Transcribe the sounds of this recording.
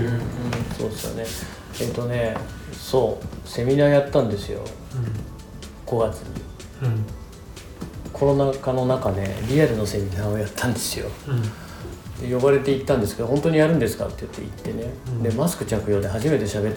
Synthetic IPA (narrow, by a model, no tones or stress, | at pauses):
ɯ̃ɴso̞̰ːd̪esɨjo̰ne̞ | et̪ːo̞ne̞so̞ːse̞mʲinaːjat̪ːãnd̪e̞sɨjo̞̰ | ɡ̥o̞ɡat͡sɨɲ̟ḭ | kʰo̞ɾo̞nakano̞nakane̞̰ɾʲiaɾɯ̟no̞se̞mʲinaːojat̪ːãnd̪e̞sɨjo̞̰ | d̪̥e̞jo̞βaɾe̞t̪e̞it̪ːãnd̪e̞sɨ̥kedoɦont̪o̞ɲ̟ijaɾɯ̟̃nd̪e̞sɨ̥ka̰t̪ːeɯt̪ːe̞ḭt̪ːe̞ne̞d̪e̞masɨ̥kɯ̟t͡ɕakɯ̟jo̞ːd̪e̞ɦaʑime̞t̪e̞ɕabe̞t̪ː